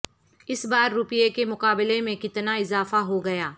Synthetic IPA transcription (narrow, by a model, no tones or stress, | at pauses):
ɪsbaːɾːʊpjekemʊqaːbɪlemẽkɪt̪naɪzaːfaɦoɡɐjaː